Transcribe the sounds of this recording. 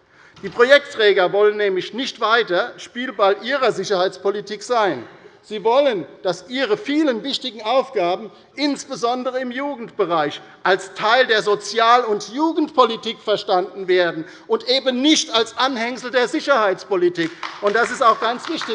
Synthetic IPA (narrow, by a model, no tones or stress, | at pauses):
d̥iːpʁ̥ojɛk̚tʁ̥ɛːɡɐvɔlənːɛːmlɪçnɪçtv̥aɪtɐʃpiːlbalʔiːʁɐzɪçɐhaɪt͡spolitʰiːkz̥aɪnz̥iːvɔlənd̥asʔiːʁəfiːlənvɪçtɪɡŋ̩ʔaʊfɡ̥aːbm̩ | ʔɪnsb̥əzɔndəʁəɪmjuːɡŋ̩tb̥əʁaɪç | ʔalstʰaɪldeːɐzot͡sjaːlʊntjuːɡŋ̩tpʰolitiːkfɛɐʃtandn̩veːɐdn̩ | ʔʊntʔeːbənnɪçtalsʔanhɛŋsl̩deːɐzɪçɐhaɪt͡spolitʰiːkʊntd̥as̬ɪstaʊxɡ̥ant͡sv̥ɪçtɪ